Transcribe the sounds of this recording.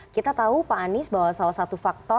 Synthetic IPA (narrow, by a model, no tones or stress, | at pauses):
kit̪at̪aupaːnɪsbaɦwasalasat̪ufak̚t̪ɔ